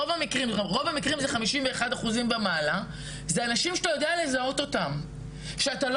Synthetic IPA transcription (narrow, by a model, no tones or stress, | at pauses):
ovamikʁimʁo̞vamikʁimzeχamiʃimveːχadaχuzimbemala | zeanaʃimʃe̥t̪ajo̞deale̞zao̞to̞tam | ʃeatal